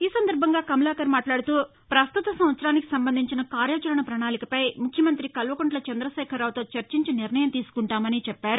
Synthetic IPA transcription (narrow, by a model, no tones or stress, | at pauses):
iːsɐnd̪ɐɾbʱɐŋɡaːkɐmɐlaːkɐɾmaːʈlaːɽut̪uː | pɾɐst̪ut̪ɐsɐm̃ʋɐt̪sɐɾaːniki̥sɐmbɐnd̪ʱiɲt͡ʃinɐkaːɾjaːt͡ʃɐɾɐɳɐpɾɐɳaːlikɐpɐjmukʰjɐmɐnt̪ɾikɐlʋɐkuɳʈlɐt͡ʃɐnd̪ɾɐsɛːkʰɐɾaːwt̪o̞ːt͡ʃɐɾt͡ʃiɲt͡ʃiniɾnɐjɐmt̪iːsu̥kuɳʈaːmɐniːt͡ʃɛpːaːɾu